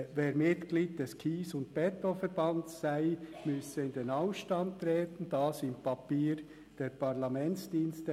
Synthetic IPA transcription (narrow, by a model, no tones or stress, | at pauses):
veːɾmɪt̪ɡ̥liːd̚d̥ɛskʰiːsʊnt̚b̥ɛt̪ofɛɾb̥ɑntsːæɪmʏsəɪndenɑʊfʃtɑnt̪ɾɛːtən̩d̥ɑːsɪmpʰɑpiːɾ | d̥eːɾpʰɑɾlɑmɛnsd̥iːnstə